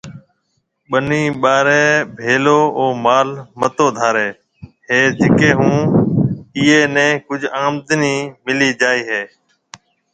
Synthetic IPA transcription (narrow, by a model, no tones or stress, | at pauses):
ɓəniːɓaːɾeːbʱeːloːoːmaːlmət̪oːd̪ʱaːɾeː | ɦeːd͡ʒɪkeːɦũː | iːeːnɛ̃ːkʊd͡ʒʱaːmd̪niːmɪliːd͡ʒaːiːɦeː